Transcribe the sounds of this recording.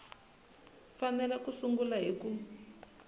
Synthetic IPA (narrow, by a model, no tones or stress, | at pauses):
fanɛlɛkusuŋɡulaɦiku